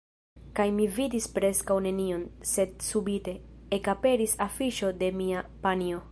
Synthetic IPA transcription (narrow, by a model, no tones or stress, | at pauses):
kajmividispɾe̞skawne̞nio̞nse̞dsubite̞ekape̞ɾisafiʃo̞de̞miapanio̞